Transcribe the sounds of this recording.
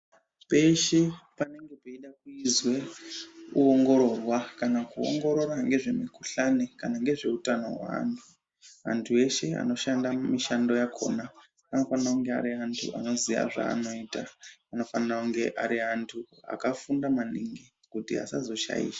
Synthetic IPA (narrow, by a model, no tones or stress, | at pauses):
pe̞ʃepane̞ŋɡe̞peiɗakuizwe | uoŋɡo̞ɾo̞rwakanakuo̰ŋɡo̞ɾo̞ɾaŋɡe̞ʐe̞mikuɬanekanaŋɡe̞ʐe̞utano̞̰ɦwa̰a̰ntʰu | a̰ntʰue̞ʃe̞a̰no̞ʃandamiʃando̞jakʰo̞̰na | ano̞fanirakuŋɡe̞a̰ɾiantʰṵa̰no̞ziʋa̰ʐa̰ːno̞itaano̞fanirakuŋɡe̞ʔaɾiantʰua̰kafundamaniŋɡi | kutḭa̰sazo̞ʃa̰jḭːʃḁ